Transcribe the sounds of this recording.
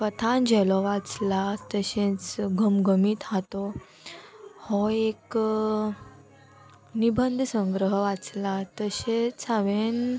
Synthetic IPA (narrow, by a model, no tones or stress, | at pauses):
kət̪ʰãnd͡ʑʱɛlɔʋat͡slat̪əɕẽt͡sɡʱəmɡʱəmiːt̪ɦat̪ɔ | hɔek | nibənd̪ʱsə̃ŋɡɾəɦəʋat͡slat̪əɕẽt͡sʰaʋen